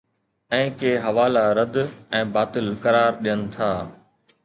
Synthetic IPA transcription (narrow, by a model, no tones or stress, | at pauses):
ɛ̃ːkeːɦɐʋaːlaɾɐd̪ɛ̃ːbaːt̪ɪlkɐɾaːɾɗijənɪ̆t̪ʰaː